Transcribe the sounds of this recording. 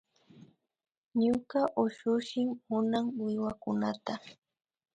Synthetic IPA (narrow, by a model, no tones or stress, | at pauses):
ɲʊkaʔʊʃʊʃɪmhʊnaŋwɪwakʊnat̪a